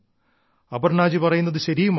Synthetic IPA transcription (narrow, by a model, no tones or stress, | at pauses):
ɐbɐrɳaːd͡ʑipɐrɐjunːɐðɨɕɐɾijum